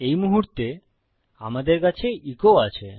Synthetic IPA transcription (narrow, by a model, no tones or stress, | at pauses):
ejmuɦuɾt̪e | a̰mad̪eɾkat͡ɕʰeʔikoat͡ɕʰḛ